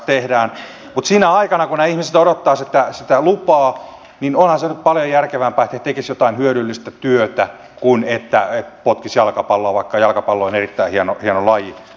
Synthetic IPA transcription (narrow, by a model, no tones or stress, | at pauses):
t̪ehdæːn | mut̪siːnæɑikɑnɑkunæːihmiset̪oɾot̪ːɑːset̪ːæsit̪ælupɑː | ninonhɑnsenyp̪̚pɑljojærkeʋæmpæːet̪hæt̪ekisjot̪ɑinhyøɾylːist̪æt̪yøt̪æ | kunet̪ːæet̪pot̪kisjɑlkɑpɑlːoɑʋɑikːɑjɑlkɑpɑlːoionerit̪ːæihiɑnohiɑnolɑji